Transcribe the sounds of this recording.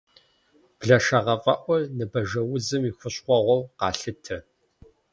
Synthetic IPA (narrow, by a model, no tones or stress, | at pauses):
b̥ɮɐʃɐʁɐfʼɐʔʷɔnɨbɐʒɐwʊzɨmixʷʊɕqʷɔʁʷɔwqɑːɬɨtʰɐ